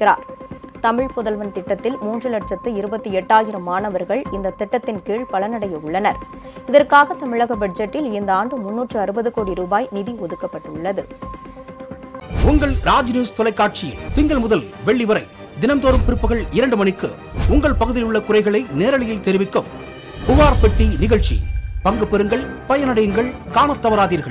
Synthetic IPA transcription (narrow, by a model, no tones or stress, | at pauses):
ɪɾa̰ːɾt̪ɐmɪɻpʊðɐlʋɐnt̪ɪʈːɐt̪ːɪlmuːndrɯlɐʈ̚t͡ʃɐt̪ːɯɪɾɯbɐt̪ːɯɛʈːaːjɪɾɐmːaːnɐʋɐɾɣɐɭɪnd̪ɐt̪ɪʈːɐt̪ːɪnkiːɭpɐɭɐnɐɽɐjɐʊɭːɐnɐɾ | ɪðɐrkaːɣɐt̪ɐmɪɻɐɣɐbɐɖd͡ʒɐʈːɪlɪnd̪ɐaːnɖɯmʊnːuːʈrɯɐɾɯbɐðɯkoːɽiɾuːbaːjnɪðiɔðɯkːɐpːɐʈːɯɭːɐðɯ | ʊŋɡɐɭɾaːd͡ʒnjuːst̪ɔlɐɪkːaːʈ̚t͡ʃɪjɪlt̪ɪŋɡɐɭmʊðɐlʋɛɭːiʋɐɾɐɪ | d̪ɪnɐmt̪oːɾɯmpɪɾɯpːɯɣɐɭɪɾɐɳɖɯmɐnɪkːɯ | ʊŋɡɐɭpɐɣɯðɪlʊɭːɐkʊrɐɪɣɐɭɐɪneːɾɐɭɪjɪlt̪ɛɾɪʋɪkːɯm | kʊʋaːɾpɛʈːinɪɣɐɭt͡ʃḭpɐŋɡɯpːɛɾɯŋɡɐɭpɐjɐnɐɽɐjɯŋɡɐɭkaːnɐt̪ːɐʋɐɾaːðiːɾɣɐɭ